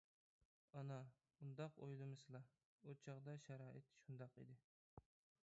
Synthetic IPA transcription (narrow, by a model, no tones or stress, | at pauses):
ɑnɑ | und̪ɑqo̰jlˠɨmɨsɨlˠɑ | ot͡ʃʰɑʁd̪ɑʃæɾɑːʔɪt̪ʃund̪ɑqḭd̪ɪ